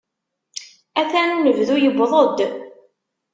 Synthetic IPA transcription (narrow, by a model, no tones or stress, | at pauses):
æθænːəvðujəbðˤod̪